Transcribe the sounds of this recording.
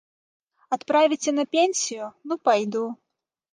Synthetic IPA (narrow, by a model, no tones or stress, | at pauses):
at̪pɾavʲit͡sʲɛnɐpʲenʲsʲijʊnupajd̪u